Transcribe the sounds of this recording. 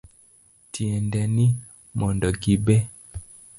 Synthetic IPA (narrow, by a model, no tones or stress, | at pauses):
tiɛndɛni | mɔndɔɡibe